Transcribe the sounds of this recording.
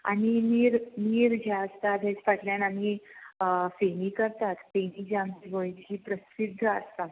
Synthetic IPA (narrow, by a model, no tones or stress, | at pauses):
a̰niniːɾniːɾd͡ʑaəst̪ad̪ʱet͡sfaʈljanam̤iː | feniːkəɾt̪at̪fenid͡ʑɛamt͡ɕiɡojd͡ʑiːpɾəsid̪ʱːəə̰st̪at̪